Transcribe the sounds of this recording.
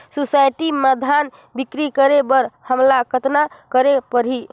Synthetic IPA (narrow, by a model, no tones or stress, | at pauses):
susajʈiməd̪ʱan | bikɾikəɾebəɾhəmlakət̪nakəɾepəɾɦi